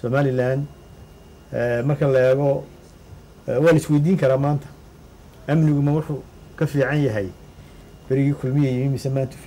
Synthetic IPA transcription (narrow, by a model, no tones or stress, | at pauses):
sɔːmaːlɪlaːn | ɛmɐrkʰɐlɐɛːɣɔ | wɑːlɐɪswejd̪iːŋkʰɐɾaːmaːnt̪ʰɐ̥ | ʔɐmnɪɣʊmɐwʊħʊ | kʰɐfiːʕɑnjɐɦɛj | b̥ɐɾɪɣiːkʰʊlmɪjɛjimimɪsɛmaːnt̪ʰʊ̥